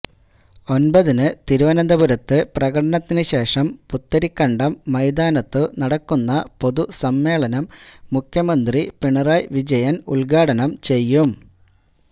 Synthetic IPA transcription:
o̞nbɐðinɨt̪iɾuʋɐnɐnd̪ɐbuɾɐt̪ːɨprɐɣɐɽɐɳɐt̪ːinɨɕe̞ːʂɐmput̪ːɐɾikːɐɳɖɐmːɐjd̪aːnɐt̪ːɨnɐɽɐkːunːɐpo̞ðusɐmːe̞ːɭɐnɐmːukʰjɐmɐnd̪ripiɳɐraːjʋid͡ʑɐjɐnuɭɡaːɽɐnɐmt͡ɕe̞jːum

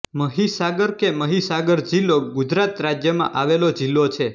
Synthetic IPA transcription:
məɦisaɡəɾkeməɦisaɡəɾd͡ʒilːoɡud͡ʒɾat̪ɾad͡ʒjəmã̰ʔaʋelod͡ʒilːot͡ʃʰe

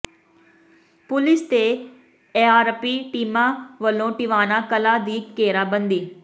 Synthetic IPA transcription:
pʊlɪst̪e | eaːɾpiʈiːmãʋɐlõʈiʋaːnãkɐlad̪iːkːeːɾabɐ̃nd̪iː

